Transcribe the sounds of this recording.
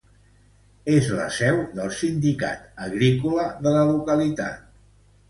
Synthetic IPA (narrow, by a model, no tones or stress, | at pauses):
ezlə̰sɛwðəlˠsind̪ika̰t̪əɣɾikuləðələlukəlit̪a̰t̪̚